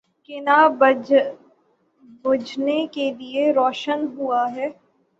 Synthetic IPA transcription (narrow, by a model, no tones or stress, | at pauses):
kɪna | bʊd͡ʒnekelieɾɔːʃənɦuaɦɛː